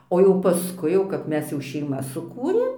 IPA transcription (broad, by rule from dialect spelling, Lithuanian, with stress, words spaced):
oː jɛʊ pɐˈskʊɪ jɛʊ kɐp ˈmʲɛs jɛʊ ʃʲɛɪˈmɐs sʊˈkuːrʲeːm